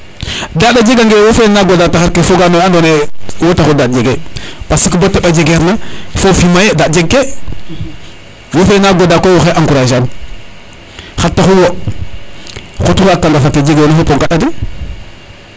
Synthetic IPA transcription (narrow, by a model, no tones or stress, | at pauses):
dadad͡ʒeɡaŋɡewofenaɡodataxaɾkefoɡanoandonewotaxudad͡ʒeɡepasikəbotːaɓad͡ʒeɡeɾnafofimajedad͡ʒeɡːe | wofenaɡodakowoxeʔaŋkuɾaʃan | xatːaxuwo | xotuxakːaŋɡafatːed͡ʒeɡenafopoŋkaɗadi